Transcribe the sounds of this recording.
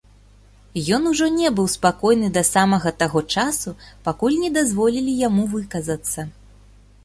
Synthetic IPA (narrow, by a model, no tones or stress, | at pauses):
jɔnuʐɔnʲɛbɨwspakɔjnɨd̪ɐsamɐɣɐt̪aɣɔt͡ʂasupakulʲnʲɛd̪azvɔlʲilʲijamuvɨkɐzɐt̪sːɐ